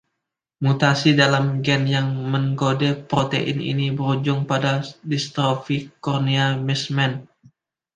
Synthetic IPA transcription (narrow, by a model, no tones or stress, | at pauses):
mut̪asidalamɡɛnjaŋməŋɡodɛpɾot̪eʔɪ̰nḭnibəɾud͡ʒʊŋpadadist̪ɾofikɔrniamismɛn